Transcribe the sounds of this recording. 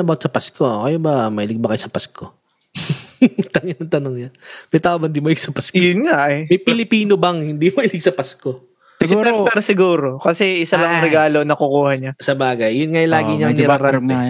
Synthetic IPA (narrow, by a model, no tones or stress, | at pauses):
ɐbawt̪sɐpɐskokɐjobɐmɐʔɪlɪɡ̚bɐkɐjosɐpɐskʰo | t̪ɐŋɪnːɐt̪ɐnoŋɲɐmɐjt̪aːʔobɐnd̪imoɐɪlɪɡsɐpɐskjʊnŋaʔɛmɐjpɪlɪpiːnobɐŋhɪnd̪imɐʔɪlɪɡ̚sɐpɐsko̞ | sɛɾpɛɾosɪɡuːɾo̞kɐsɛʔɪsɐlɐŋɾɛɡaːlo̞nɐkʊkuːhɐɲasɐbaːɡɐjːʊnŋajlaːɡɪɲɐnɪɾaɾaɛ